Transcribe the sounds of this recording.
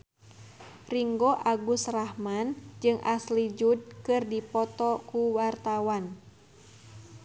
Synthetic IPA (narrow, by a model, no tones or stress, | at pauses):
riŋɡoʔaɡusrahmand͡ʒɨŋʔaslid͡ʒud̚kɨrdipɔt̪ɔkuwart̪awan